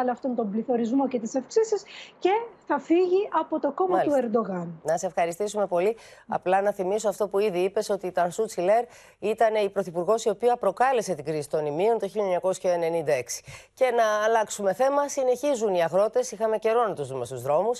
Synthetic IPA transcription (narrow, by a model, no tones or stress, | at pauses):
lɐft̪o̞nt̪o̞mbliθo̞ɾizmo̞ce̞t̪isɐfksisisce̞θɐfiʝiʔɐpo̞t̪o̞ko̞mɐt̪ue̞ɾd̪o̞ɣɐnnɐse̞fxɐɾist̪isume̞po̞liɐ̰plɐnɐθimisoɐft̪o̞puiðiipe̞so̞t̪it̪ɐnsut͡sile̞ɾ | it̪ɐne̞ipɾoθipuɾɣo̞sio̞piɐpɾo̞kɐle̞se̞t̪iɡɾisi̥t̪o̞nimio̞nt̪o̞çilʎiɲɐko̞sçɐene̞nind̪ɐe̞ksi̥ce̞nɐːlɐksume̞θe̞mɐsine̞çizuniɐɣɾo̞t̪e̞sixɐme̞ce̞ɾo̞nɐt̪uzðume̞st̪uzðɾo̞mus